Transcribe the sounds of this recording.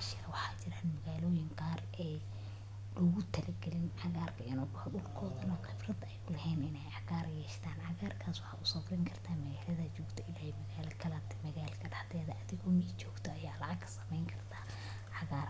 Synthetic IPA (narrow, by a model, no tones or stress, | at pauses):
ʃɪɾɐwɑħɑːt͡ʃɪɾaːnmɐɣaːlɔːjɪŋqɑːr | ɛ | lʊɣʊt̪ʰɛlɛɡɛlɪnʕɑɣaːrkʰɐɪnʊɣʊhɐɖʊlkʰɔːðɐnɔqɪbrɐd̪ɛjʊlɛhɛːnɪnɛjʕɑɣaːɾjɛːʃt̪ʰaːnʕɑɣaːrkʰaːswɑħɑ̰ːʔʊsɐfrɪŋkʰɐrt̪ʰaːmɐɣaːlɐðɐt͡ʃɔːɡt̪ʰɐɪlaːhɛmɐɣaːlɐkʰɐlɐt̪ʰɛmɐɣaːlkʰɐɖɑħt̪ɛːðɐʔɐðɪɣɔmit͡ʃɔːɡt̪ʰɔɐjaːlɑʕɑɡkʰɐ̥sɐ̥mɛjŋkʰɐrt̪ʰaː | ʕɑɣaːr